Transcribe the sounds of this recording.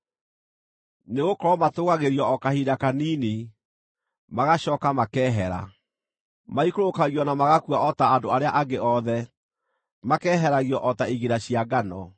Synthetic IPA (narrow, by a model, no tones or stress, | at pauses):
neɣokɔɾɔmatoːɣaɣeɾiɔɔkahidakaniːne | maɣaɕɔːkamakɛːɦɛɾa̰ | maikoɾokaɣiɔnamaɣakwaʔɔtaːdoaɾeaʔaɡeʔɔðɛ | makɛːɦɛɾaɣiɔʔɔtaiɣeɾaɕiaɡanɔ